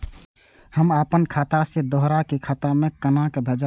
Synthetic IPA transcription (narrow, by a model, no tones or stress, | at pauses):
həmapənkʰat̪ased̪ɔɦɾakekʰat̪amekənakebʱəd͡ʒa